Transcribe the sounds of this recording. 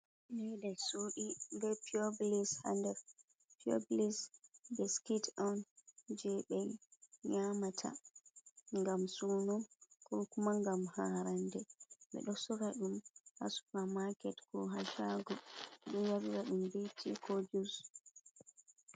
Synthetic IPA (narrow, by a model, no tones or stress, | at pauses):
nɛɗɛsuɗimbɛpioblisha̰ndɛɾ | pio̰blisbɛskitɔnd͡ʒɛɓɛjɲamatʰa̰ | ŋɡamsunɔkɔkumaŋɡamhaɾandɛɓɛ̰ɗɔsɔɡaɗumha̰su̥pamakɛtkɔɦaʃaɡɔɗɔjaɾiɾaɗumbetʰikʰɔd͡ʒus